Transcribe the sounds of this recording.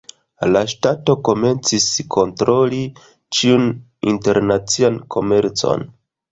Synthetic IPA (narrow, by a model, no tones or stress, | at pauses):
laʃtato̞ko̞me̞nt͡siskʰo̞ntɾo̞li | t͡ʃiun | inte̞ɾnat͡siankʰo̞me̞ɾt͡so̞̰n